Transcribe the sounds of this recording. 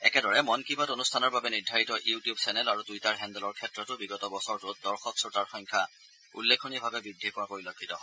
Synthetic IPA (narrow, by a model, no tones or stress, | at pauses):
ɛ̰kɛdɔɹɛmɔnkibatonustʰanɔɹbabɛniɹdʱaɹitɔʔjutijubsɛnɛlaɹudujtaɹɦɛndɛlɔɹkʰɛtːɹɔtʊbiɡɔtɔbɔsɔɹtʊdɔɹxɔksɔɹtaɹxɔjŋkʰa | ṵlːekʰonibʱabɛbɹidʱːikɔwakoɹilokʰːitɔɦɔ